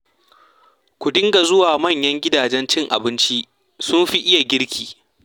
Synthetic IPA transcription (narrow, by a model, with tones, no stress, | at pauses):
kʷʊ˨dɪ˦ŋɡa˨zʊ˦waː˨mɐ˦˨ɲjɐ˦ŋɡʲɪ˦daː˨d͡ʒɛ˦nt͡ʃɪ˦ŋʔa̰˨bɪ˦nt͡ʃi˦ | sʊ˦mɸi˦ʔɪ˦ja˨ɡʲɪ˦ɽkʲʰiː˨